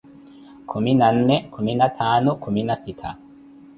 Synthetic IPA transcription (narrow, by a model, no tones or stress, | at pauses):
kʰuminan̩ːekʰuminat̪ʰaːnokuminasitʰa̰